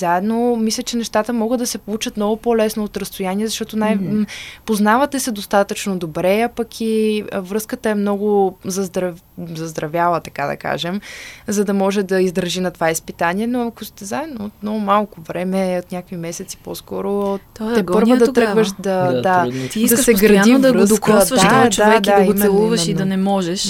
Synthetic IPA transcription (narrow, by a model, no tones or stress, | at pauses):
zaɛd̪nomislʲət͡ʃɛnɛʃt̪at̪əmɔɡəd̪ɐsɛpolˠut͡ʃət̪mnɔɡʊpolɛsnoːt̪ɾɐst̪ojaniɛzɐʃt̪ɔt̪onajpoznavət̪ɛsɛd̪ost̪at̪ət͡ʃnod̪obɾɛapəkʰiəvɾɤskət̪əɛmnɔɡʊzɐzd̪ɾɐv | zɐzd̪ɾɐvjalˠət̪ɐkad̪ɐ̰ka̰ʒɛmzɐd̪ɐmɔʒɛd̪ɐizd̪ɾɐʒinɐt̪ovaispit̪anʲiɛnoɐkʊst̪ɛzaɛd̪noːt̪mnɔɡʊmalˠkʊvɾɛmɛot̪nʲjakimɛsɛt̪si̥poskɔɾot̪ɛpɤɾvəd̪ɐt̪ɾəɡvəʃd̪ɐat̪d̪ɐʃɛɡɾɐd̪ivd̪ɐɾəsd̪kd̪vəd̪t͡ʃoavɛd̪aiomɛɛlˠuvəʃid̪ɐnɛmɔʒɛʃ